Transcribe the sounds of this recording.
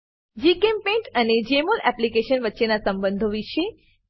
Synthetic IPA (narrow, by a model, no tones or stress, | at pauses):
d͡ʒikempẽɳʈəned͡ʒemolɛplikeʃənʋətːʃenasəmbə̃nd̪ʱoʋiʃe